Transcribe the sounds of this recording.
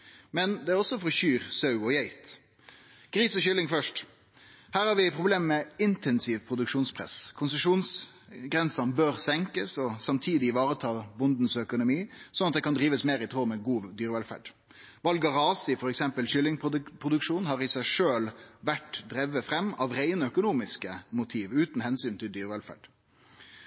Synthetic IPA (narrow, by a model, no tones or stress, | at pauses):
mɛnd̪ɛæɾɔsɔfɔɾçyːɾsɑʉɔjæɪt̪ | ɡ̥ɾiːsɔɕʏlɪŋfœʂʈ | hæːɾhɑɾʋɪpʰɾʊbleːmmɛɪnt̪ɛnsiːʋpʰɾʊd̪ʉkʂuːnspʰɾɛ̰skʰʊnsəʂuːns | ɡɾɛnsɑnbøːɾsɛŋkəsɔsɑmt̪ʰiːd̪ɪʋɑːɾət̪ʰɑːbʊnd̪n̩sœkʊnʊmiːsɔnɑt̪̚d̪ɛkɑnd̪ɾiːʋəsmeːɾɪt̪ʰɾoːmɛɡuːd̪yːɾəʋɛlfæ̰ɖ | ʋɑlɡɑʁɑːsɪfɔɾɛksɛmpəlʃʏlːɪŋp̪ʰpʰɾʊd̪ʉkʂuːnhɑʁɪsæɪʂøːlʋæʈd̪ɾɛʋːəfɾɛmːɑʋɾeɪnəœkʊnuːmɪskəmʊt̪ʰiːʋʉːt̪n̩hɛnsyːnt̪ʰɪld̪yːɾʋɛlfæ̰ɖ̥